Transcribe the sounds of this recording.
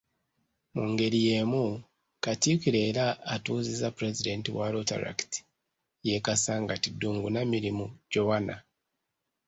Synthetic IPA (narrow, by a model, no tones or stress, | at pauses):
muŋɡe̞ɾijemu | katikiɾeɾaːtuːzizapɾezide̞ntiwaɾota̰ɾa̰kti̥ | jekasaːŋɡatiduːŋɡunamiɾimuɟowana